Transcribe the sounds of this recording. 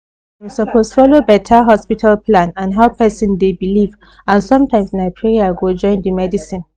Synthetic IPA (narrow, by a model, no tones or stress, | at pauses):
wisɔpʰostfɔlobɛtʰaɦɔspitʰalpʰlãnãnɦaʊpʰɛsɔ̃ndebiliv | ãnsɔ̃mtʰãɪ̃msnaɪpʰɹeaɡod͡ʒɔ̃ɪ̃ndimɛdisĩn